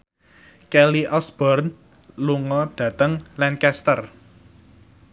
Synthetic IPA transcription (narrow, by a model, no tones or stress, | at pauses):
kɛliʔɔsb̥ɔrn | luŋɔɖ̥ä̤t̪əŋlankɛst̪ər